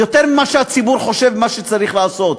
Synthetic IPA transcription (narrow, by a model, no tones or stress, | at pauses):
jo̞t̪eʁmimaʃeat͡sibuɾχo̞ʃe̞vmaʃet͡saʁiχlaːso̞t̪